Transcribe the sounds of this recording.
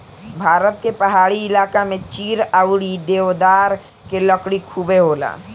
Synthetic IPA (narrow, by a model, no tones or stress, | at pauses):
bʱaːɾət̪̚kepɐɦaːɽiɪlaːkamẽt͡ʃiːɾaʊɽid̪eːʋd̪aːɾ | keləkɽikʰuːbeɦoːla̰ː